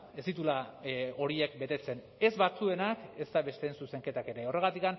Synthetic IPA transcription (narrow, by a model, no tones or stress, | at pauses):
e̞st̪it̪ulao̞ɾie̞k̚be̞t̪e̞t͡se̞n | e̞zβat͡sue̞nake̞zt̪aβe̞st̪e̞ːnsuse̞ŋke̞t̪ake̞ɾe̞ore̞ɣ̞at̪ikan